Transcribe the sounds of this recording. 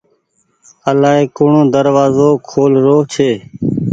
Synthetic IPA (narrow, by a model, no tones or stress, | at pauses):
əlaːɦeːkoːɳõːd̪əɾʋaːzoːkʰoːlɾoːɦt͡ʃʰeː